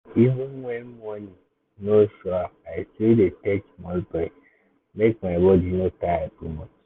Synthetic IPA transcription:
ivə̃nwɛ̃nmɔ̃nĩ | noʃɔaaɪsidetɛt͡ʃmɔ̃lbɾɛ | mek̚maɪbɔdinotaatumɔ̃t͡ʃ

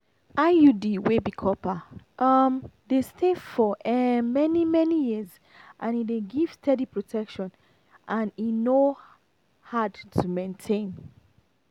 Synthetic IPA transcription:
ʔajudiwebikʰɔpa | ʔʌmdestʰefɔʔmɛnimɛnijiz | ʔãnideɡiv̥stʰɛdipɹotʰɛkʃɔ̃n | ʔãnino | hadtʰumẽntʰẽn

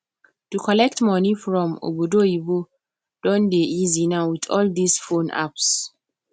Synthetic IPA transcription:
tukʰɔlɛk̚tmɔnifɹɔ̃mo̰bodoibo | d̥ɔ̃ndeizinawitɔ̰ldisfõnʔa̰ps

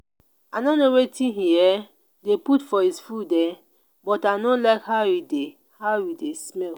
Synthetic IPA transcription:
anonowetʰĩɦiɛ | deputfɔhisfudɛ | bɔtanolakhawide | hawidesmɛl

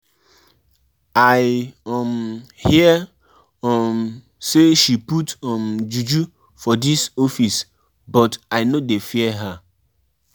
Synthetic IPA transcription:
aɪmhiɛ | ɔm | seʃiputɔmd͡ʒud͡ʒu | fɔdisofis | bɔtaɪnodefiɛɦa

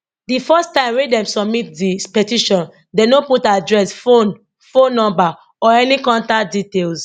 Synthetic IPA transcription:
difɛstãɪ̃mɹwedɛ̃msɔbmit̚dipɛtiʃɔ̃n | denoputadɹɛsfon | fõnːɔ̃mba | ɔɛnikɔ̃ntak̚ditels

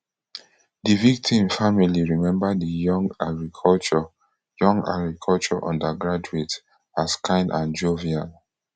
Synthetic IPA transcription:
divik̚tʰĩmfamiliɹimɛ̃mbadijɔ̃ŋɡaɡɹikʰɔlt͡ʃɔ | jɔ̃ŋɡa̰ɡɹikʰɔlt͡ʃɔʔɔ̰̃ndaɡɹad͡ʒuet | askʰãɪ̃nʔãnd͡ʒovial

